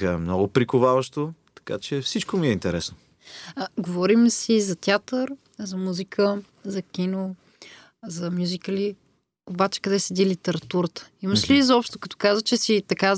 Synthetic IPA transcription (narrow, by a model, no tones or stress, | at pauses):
əɛmnɔɡʊpɾikovavəʃt̪ot̪ɐ̥kat͡ʃɛfsit͡ʃkomiɛint̪ɛɾɛsno | ɡovɔɾimsizɐt̪ʲjat̪əɾ | zɐmuzikʰə | zɐkʲino | zɐmjuzikəli | obat͡ʃɛ̥kɐd̪ɛsɛd̪ilit̪ɛɾɐt̪uɾət̪ə̥iməʃlizɐɔpʃt̪okɐ̥t̪ɔ̥kazət͡ʃɛsit̪ɐka